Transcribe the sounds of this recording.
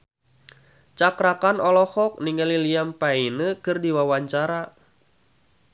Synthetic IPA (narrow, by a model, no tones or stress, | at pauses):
t͡ʃakɾakanɔlɔhɔk̚niŋəliliampainəkɨrdiwawaɲt͡ʃaɾa